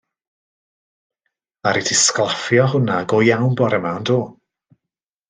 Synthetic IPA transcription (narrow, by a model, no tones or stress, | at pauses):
aɾitʰɪsklˠɔfjɔɦʊnaɡɔjawnbɔɾəmandoː